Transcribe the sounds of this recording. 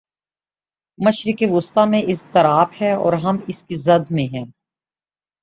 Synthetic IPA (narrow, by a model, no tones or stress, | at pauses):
mɐʃɾɪkeʋʊst̪amẽʔɪst̪ɐɾaːphɛɔ̰ːɾɦɐmɪskizɐd̪mẽɦɛ̃ː